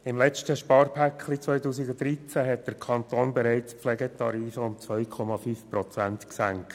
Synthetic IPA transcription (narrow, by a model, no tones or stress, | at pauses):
ɪmlɛt͡ʃtəʃpɑːɾpʰækʰlit͡sʋœʏtuːsiɡʊdɾit͡sæɦɛt̚d̥əɾkʰɑntoːnbɛɾɛɪt͡spflɛɡətɑɾiːfəʊmt͡sʋœʏkʰɔmɑfyːfpɾɔt͡sæntksæŋkt